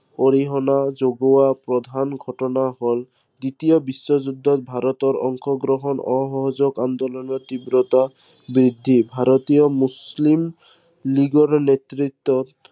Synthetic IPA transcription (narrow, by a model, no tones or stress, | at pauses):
oɾiɦɔnad͡ʒoɡɔwapɾɔd̪ʱanɡʱɔʈɔnaɦol | d̪it̪ijɔbisːɔd͡ʒud̪ʱːɔt̪̚bʱaɾɔt̪ɔɾɔ̰ŋkʰɔɡɾɔɦɔnɔɦɔɦɔd͡ʒɔɡand̪ɔlɔnɔt̪ibɾɔt̪a | bɾid̪ʱːibʱaɾɔt̪ijɔmuslim | liɡɔɾnet̪ɾit̪ːɔt̪